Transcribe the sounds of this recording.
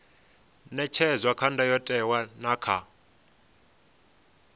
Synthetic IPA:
nɛt͡ʃʰɛzwakʰandʱajɔtʼɛwanakʰa

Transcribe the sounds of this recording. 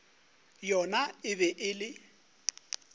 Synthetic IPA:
jɔnaɪβɛʔɪlɪ

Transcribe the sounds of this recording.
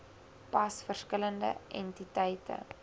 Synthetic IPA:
pɐsfərskələndə̰ʔɛ̰ntitɛjtə̰

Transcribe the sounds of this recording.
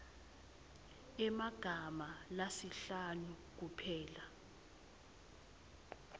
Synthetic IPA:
ɛmaɡ̥ʱamalasiɬanuk̬upʰɛːla

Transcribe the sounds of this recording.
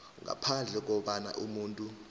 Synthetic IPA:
ŋa̰pʰand͡ɮʱɛk̬ɔɓana̰ʔumuːntʼu

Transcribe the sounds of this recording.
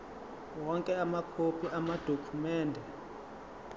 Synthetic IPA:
wɔŋkʼɛamakʰopʰiʔamad̥ʱokʰumɛːndʱɛ

